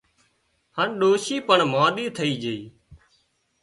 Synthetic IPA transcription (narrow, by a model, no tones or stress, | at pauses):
hənɗoːʃiːpəɳmãːɗ̪iːt̪ʰəiːd͡ʒeiː